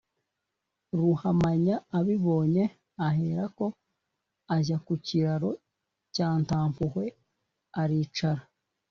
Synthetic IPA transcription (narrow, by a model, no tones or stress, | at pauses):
ɾuhamaɲaːβiβo̞ːɲe̞ | aɦe̞ɾako̞ | aʒakuciɾaɾo̞ | caːntaːmpuhwe̞ | aɾiːt͡ʃaɾa